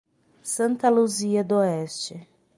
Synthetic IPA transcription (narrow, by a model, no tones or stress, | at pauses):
sɐ̃nt̪ɐluziɐd̪oɛst͡ʃɪ